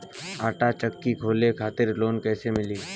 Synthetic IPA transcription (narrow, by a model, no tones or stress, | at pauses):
aːʈat͡ʃəkːikʰoːlekʰaːt̪ɪɾloːnkɛːsemɪliː